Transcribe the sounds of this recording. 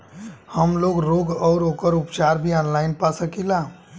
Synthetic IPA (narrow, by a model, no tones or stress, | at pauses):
həmloːɡɾoːɡɔːɾoːkəɾʊpt͡ʃaːɾbʱiɔːnlaːɪnpasəkila